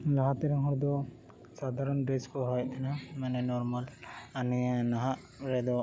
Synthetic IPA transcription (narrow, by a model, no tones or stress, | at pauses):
laɦat̪ɛɾaŋɦɔɾd̪ɔ | sad̪ʱaɾɔnɖeskɔɦɔjt̪ʰɛnamanɛnɔɾmalaninaɦaʔ | ɾɛd̪ɔ